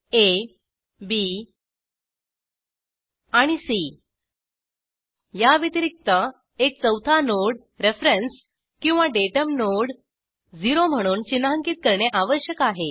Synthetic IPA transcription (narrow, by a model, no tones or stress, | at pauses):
e | bi | aɽ̃isi | jaʋit̪iɾik̚t̪ə | ek̚t͡səwt̪ʰanoɽ | ɾefɾəns | kĩw̃ʋaɖeʈəmnoɽ | d͡ziɾom̤əɽ̃uːnt͡ɕinːaɦəŋkiːt̪̚kəɾɳeʔaʋəɕjəkaɦe